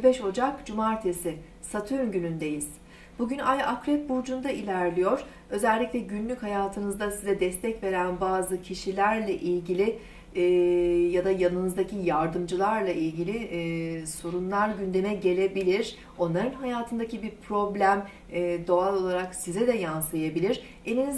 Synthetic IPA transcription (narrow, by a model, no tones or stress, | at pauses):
bɛʃo̞d͡ʒakd͡ʒumaɾt̪ʰesɪ | sat̪ʰynɟynynd̪e̞jiz̥ | buɟynajʔakɾɛt̪̚buɾd͡ʒund̪aʔilʲæɾlʲijo̞ɾ̥ | ø̞zɛlʲːicʲlʲɛɟynlʲychajaːt̪ʰɯnɯzd̪asizɛd̪ɛst̪ʰɛcve̞ɾænbaːzɯcʰiʃilʲæɾlʲɛʔilʲɟilʲɪ | jad̪ajanɯnɯzd̪acʰijaɾd̪ɯmd͡ʒɯlˠaɾlˠaʔilʲɟilʲi | so̞ɾunlˠaɾɟynd̪e̞mɛɟe̞lʲe̞bilʲiɾ̥ | o̞nlˠaɾɯnɦajaːt̪ʰɯnd̪acʰibiɾpʰɾo̞blʲæmː | d̪o̞alˠo̞lˠaɾaksizɛd̪ɛjansˠɯjabilʲiɾ̥ | eniniz